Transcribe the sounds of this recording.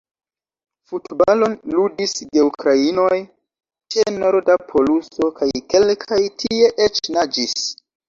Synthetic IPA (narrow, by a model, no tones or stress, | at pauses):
futbalo̞nludisde̞ukɾaino̞j | t͡ʃeno̞ɾdapʰo̞luso̞kajke̞lkʰajtʰie̞ʔet͡ʃnad͡ʒis